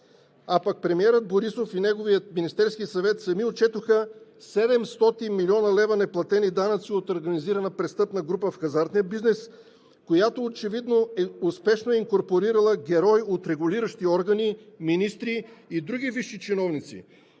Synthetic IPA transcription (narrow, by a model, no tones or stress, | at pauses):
apak̚pɾɛmiɛɾəd̪̚boɾisofinɛɡovijət̪minist̪ɛɾskisɐvɛt̪sɐmiot͡ʃɛt̪oxəsɛd̪ɛmst̪ɔt̪inmilʲiɔnəlɛvɐnɛplˠɐt̪ɛnid̪anɐt̪siot̪oɾɡɐniziɾɐnəpɾɛst̪ɤpnɐɡɾupəfxɐzaɾt̪nijəbiznɛs | kojat̪oːt͡ʃɛvid̪noɛuspɛʃnoɛiŋkoɾpoɾiɾɐlˠəɡʲɛɾɔjot̪ɾɛɡʊliɾəʃt̪iɔɾɡɐniminist̪ɾiːd̪ɾuɡ̟ʲiviʃːit͡ʃɛnɔvnit̪sḭ